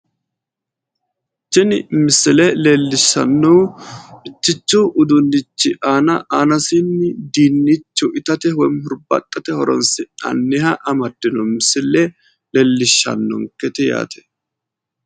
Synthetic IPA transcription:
t͡ʃːɪnɪmɪsɪlɛleːlːɪʃːɐ̰nːɔwɪt͡ʃːɪt͡ʃːuːʔʊd̪ʊnːɪt͡ʃːɪʔaːnɐʔaːnɐsɪnːɪd̪iːnːɪt͡ʃːʊʔɪt̪ɐt̪ɛhɔjmhʊɾbɐ̰t̪ʼːɐt̪ɛhɔɾɔ̰nsɪɐ̰nːɪhɐʔɐmɐd̪̥ːɪnɔmɪsɪlɛ | lɛlːɪʃːɐ̰nːɔ̰ŋkɛt̪ɪja̰ːt̪ʰɛ̥

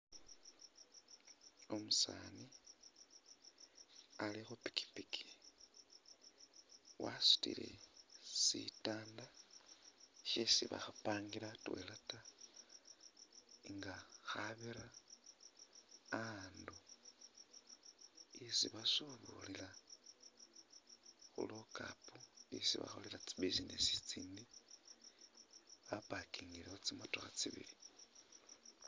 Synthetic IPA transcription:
o̞musa̰ːni | alixupi̥ki̥pikʰi̥ | wʔa̰su̥tḭle̞̰sḭtaːnda | ʃesiβa̰xapaːŋɡilatwḛlata | ŋɡaxaβiɾa | ndu | isiβasuβulila | xṵloka̰puisiβa̰xolilat͡siβisinesit͡siːndi | βapakiŋɡileot͡simotoxat͡siβḭli

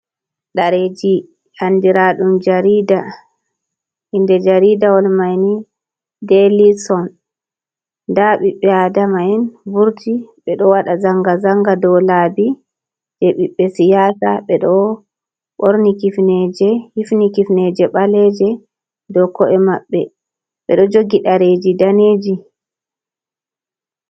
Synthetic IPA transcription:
ɗaɾed͡ʒi | handiɾaɗumd͡ʒaɾiːda | hindɛd͡ʒaɾidawɔlmajni | delisɔn | daɓiɓːɛadamaɛnbuɾtʰiɓɛɗɔwaɗazaŋɡazaŋɡadɔlaːbi | d͡ʒɛɓiɓːɛsijaːsaɓɛɗɔ | ɓoɾnikifnɛd͡ʒɛhifnikifnɛd͡ʒɛɓalɛd͡ʒɛ | dɔkɔʔɛmaɓːɛ | ɓɛ̰ɗɔd͡ʒoɡiɗaɾed͡ʒidaneːd͡ʒi

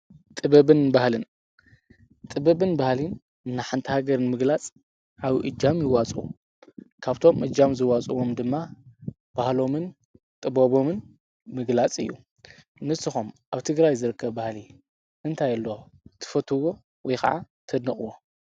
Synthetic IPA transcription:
t̪ʼɨβɐβɨnbahlɨn | t̪ʼɨbɐβɨnbahlin | ɨnːaħant̪ʰɨhaɡɐɾɨnmɨɡlat͡sʼ | ʕaβɨʔɨd͡ʒːamjɪwat͡sʼṵ | kʰaβt̪ʰo̞mʔɨd͡ʒamzɨwat͡sʼuwo̞md̪ɨmːa | b̥ahlo̞mɨn | t̪ʼɨboβo̞mɨn | mɨɡlat͡sʼɨ̰jːṵ | nɨsɨxumʔaβt̪ʰɨɡɾajzɨɾɨkʰːɐβbahli | ʔɨnt̪ʰajɐlːo | t̪ʰɨ̥fɐt̪ʰɨwo | wɔjkʰa̰ʕa̰ | t̪ʰɐd̪nɐχʼɨwo

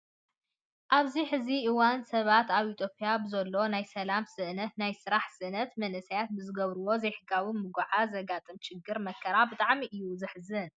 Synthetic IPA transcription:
ʔaβziħɨziʔɨwansɐβat̪aβit̪ʰjo̞pʼijabɨzɐlːo̞najsɐlamsɨʔnɐt̪najsɨɾaħsɨʔnɐt̪mɐnɨsɐjat̪̚bɨzɨɡɐβɾuwo̞zejħɨɡawimɨɡʷaʕazɐɡat̪ʼɨmt͡ʃɪɡːɨɾmɐkʰːɐɾabɨt̪ʼaʕmiʔɨjːuzɨħzɨn

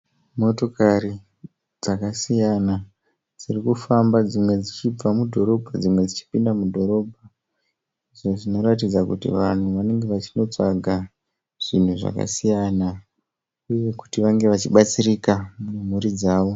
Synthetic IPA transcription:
mo̞to̞kaɾi | d͡zakasijana | d͡z̥irikufambad͡zimwe̞d͡zit͡ʃib͡vamudʱo̞ɾo̞bʱad͡zimwe̞d͡zit͡ʃi̥pindamudʱo̞ɾo̞ːbʱa | iʐo̞ʐino̞ratid͡zakutḭʋan̤uʋane̞ŋɡe̞ʋat͡ʃino̞t͡ʂaɡʱa | ʐ̥in̤uʐa̰ka̰sijana | uje̞ku̥tiʋaŋɡe̞ʋat͡ʃiɓat͡sirikamum̤uɾid͡zaːʋo̞

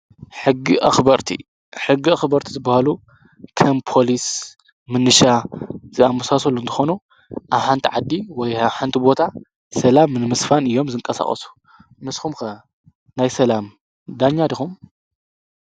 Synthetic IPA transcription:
ħɨɡːiʔaxbɐɾt̪ʰḭ | ħɨɡːiɐxbɐɾt̪ʰi̥zɨbːahalu | kʰɐmpʰo̞lis | mɨnːɨʃazɨamusasolːunt̪ʰɨ̥xo̞nu | ʔaβħant̪ʰiʕad̪ːiwɔjaβħant̪ʰibo̞t̪ʰa | sɐlamnɨmɨsfanɨjːo̞mzɨŋkʼɐsa̰χʼɐ̰su̥ | mɨsxumxɐ | najsɐlam | d̪aɲːad̪ixum

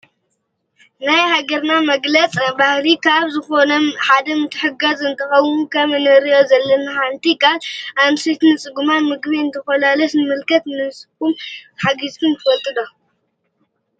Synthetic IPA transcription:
najhaɡɐɾnamɐɡlɐt͡sʼbahlikʰaβzɨxo̞nɐħad̪ɐmɨt̪ʰːɨħɨɡɐzɨnt̪ʰɐxɐwmukʰɐmɨnɐɾijo̞zɐlːɐnaħant̪ʰikʰalamsit̪nɨt͡sʼɨɡumamɨɡβiɨnt̪ʰɐfɐlalɐsnɨmɨlkʰɐt̪nɨsʼɨɡumħaɡizk̪ʰɨmt̪ʰɨfɐt̪ʼːɨd̪o

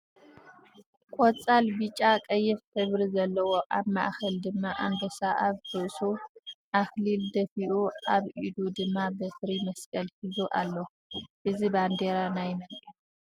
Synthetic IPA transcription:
kʼot͡sʼalbit͡ʃʼːakʼɐjːɛft̪ʰɨβɾizɐlːɐwo̞ʔaβmaʔxɐld̪ɨmːaʔa̰nd̪ɐsaʔaβt̪ʰɨʔsuʔaxlild̪ɐfiʔuʔaβʔid̪ud̪ɨmːabɐfɨɾimɐskʼɐlhizuʔalːɐ | ʔɨziband̪eɾanajmɐ

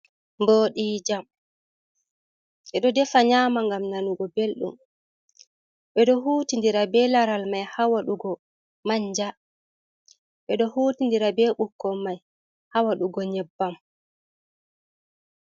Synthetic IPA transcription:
mboɗiːd͡ʒam | ɓɛɗɔdɛfaɲaːmaŋɡamnanuɡɔbelɗṵm | ɓɛɗɔɦuːtindiɾabɛlaɾalmajhawaɗuɡɔ | maɲd͡ʒa | ɓɛɗɔhuːtindiɾabɛɓukːɔmaj | hawaɗuɡɔɲɛbːam

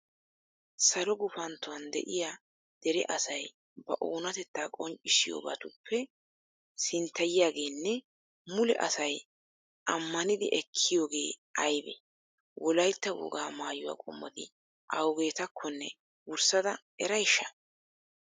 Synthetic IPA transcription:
sɐlɔɡʊfɐnt̪ːʊwɐnd̪ɛ̰ʔɪjaː | d̪̥ɛɾɛ̰ʔɐsɐj | bɐ̰ʔoːnɐt̪ɛt̪ːaːkʼɔnt͡ʃʼɪsɪjo̰ːba̰ːt̪ʊpʰːɛ | sɪnt̪ːɐjɪjaːɡe̞ːnːɛ | mʊlɛ̰ʔɐsɐj | ʔɐmːɐnɪd̪ɪʔɛkʰːɪjo̞ːɡe̞ːʔɐjbɛ̰ | wʔɔlɐjt̪ːɐwɔ̰ɡaːmaːjʊwa̰ːkʼɔmːɔd̪ɪ̰ | ʔɐwɡe̞ːt̪ɐkʰːɔnːɛ | wʊɾsɐd̪ɐ | ɛɾɐjɪʃːɐ̥

